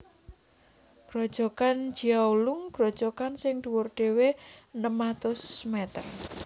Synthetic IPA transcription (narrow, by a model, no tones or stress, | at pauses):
ɡ̥ɾod̥ʒ̥ɔ̤kan̥d͡ʒ̥iaulʊŋɡ̥ɾɔd̥ʒ̥ɔkansɪŋd̪̥uwʊrɖ̪̥e̤wenəmat̪ʊsmɛt̪ər